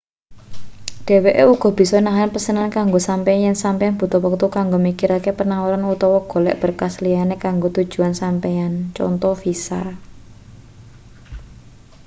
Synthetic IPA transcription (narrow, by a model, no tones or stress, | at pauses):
ɖ̥e̤weʔeuɡ̥ɔ̤b̥i̤sɔnaɦnpəsənankaŋɡosampeanjɛnsampejanb̥ṳt̪ɔwək̚t̪ukaŋɡomikiɾakepənawɾanut̪ɔwɔɡ̥o̤lɛʔb̥ə̤rkaslianekaŋɡot̪ud̥ʒ̥ṳansampejant͡ʃɔ̰nt̪ɔfisa